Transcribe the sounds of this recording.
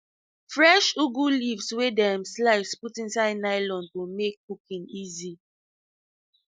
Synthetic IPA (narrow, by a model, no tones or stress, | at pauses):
fɹɛʃuɡulifswedɛãmslaɪfsputĩnsaɪdnaɪlɔ̃ndtomek̚kukĩnizi